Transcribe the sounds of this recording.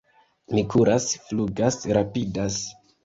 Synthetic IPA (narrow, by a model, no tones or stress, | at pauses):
mikuɾasfluɡasɾapidas